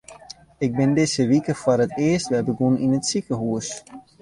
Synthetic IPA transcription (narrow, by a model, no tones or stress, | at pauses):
ɪk̚bɪndɪzəʋikəfʊrətɪːəstʋɛbəɡuninətsikəɦuəs